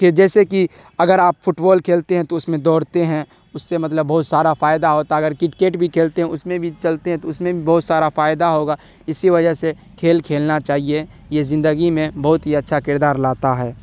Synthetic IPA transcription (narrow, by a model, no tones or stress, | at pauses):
d͡ʒɛːseki | ɐɡəɾaːpfʰʊʈbɔːlkʰeːlt̪eɦɛ̃t̪oʊsmẽd̪ɔːɽt̪eɦɛ̃ | ʊsːemɐt̪ləbːɐɦʊt̪saːɾafaːɪd̪aɦoːt̪aɐɡəɾkɪʈkeːʈbʱikʰeːlt̪eɦɛ̃ʊsmẽbʱit͡ʃɐlt̪eɦɛ̃t̪oʊsmẽbʱibɔːʊt̪saːɾafaːɪd̪aɦoːɡa | ɪsiʋɐd͡ʒəɦse | kʰeːlkʰeːlnat͡ʃaːɦie | jezɪ̃nd̪əɡimẽbɐɦʊt̪ɦiɐtːʃʰakɪɾd̪aːɾlaːt̪aɦɛː